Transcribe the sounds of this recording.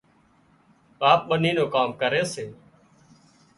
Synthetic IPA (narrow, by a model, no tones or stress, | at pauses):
aːp̚ɓəniːnõːkaːmkəɾeːseː